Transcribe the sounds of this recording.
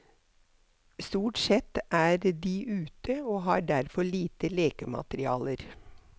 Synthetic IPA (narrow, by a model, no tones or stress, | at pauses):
st̪uːʈsɛt̪ʔæːɾd̪iːʔʉːt̪əoːɦɑːɖæɾfɔɭiːt̪əleːkəmɑ̰t̪ɾɪɑ̰ːləɾ